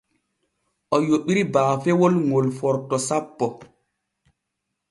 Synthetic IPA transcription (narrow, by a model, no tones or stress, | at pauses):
ʔɔjoɓiɾibaːfɛwolŋolfɔɾtɔsapːɔ